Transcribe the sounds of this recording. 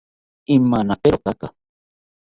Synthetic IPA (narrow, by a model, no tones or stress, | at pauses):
imːanapeɾok̪aka̰